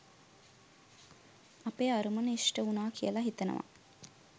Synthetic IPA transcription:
apeːaɾumənəisʈəunaːkʰijəlaɦit̪ənə̰ʋa̰

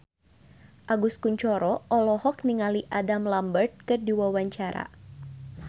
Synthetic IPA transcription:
ʔaɡuskuɲt͡ʃɔɾɔʔɔlɔhɔk̚niŋaliʔadamlambərt̪̚kɨrdiwawaɲt͡ʃaɾa̰

